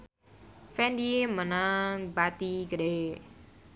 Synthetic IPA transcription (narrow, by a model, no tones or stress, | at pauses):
fɛndimənaŋbat̪iɡəɾe